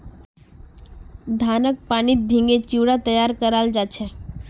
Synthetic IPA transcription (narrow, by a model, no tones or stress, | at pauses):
d̪ʱanək̚panit̪̚bʱĩŋɡet͡ʃiʋɽat̪əjaɾkəɾald͡ʒat͡ʃʰe